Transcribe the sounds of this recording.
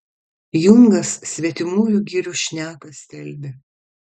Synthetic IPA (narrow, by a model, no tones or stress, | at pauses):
jʊŋɡɐsːʲʋʲiɛt̪ʲɪmuːjʊɡʲiːɾʲuʃʲnʲæːkɐsʲt̪ʲɛlʲbʲe